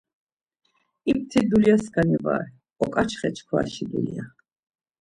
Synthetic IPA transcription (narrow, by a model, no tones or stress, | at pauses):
ip̚ʰt̪ʰid̪uljasɡanɛva̰ːɾ | ɔkʼat͡ʃʰχɛt͡ʃʰkʰwa̰ʃid̪ulia